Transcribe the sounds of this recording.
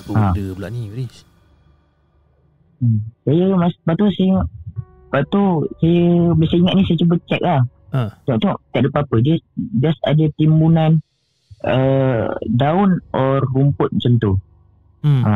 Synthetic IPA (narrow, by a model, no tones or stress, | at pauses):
adəblaʔniɾis | əmsajəmaspat̪usaiŋaʔ̚ | pat̪usajəbəsaiŋat̪̚nisajət͡ʃubət͡ʃak̚lah | t̪ɔʔt̪ɔŋʔt̪aʔdəpəapədiəd͡ʒasa̰dət̪imbunan | ə | daʊnʔɔrːumpʊt̪̚mət͡ʃənt̪u | a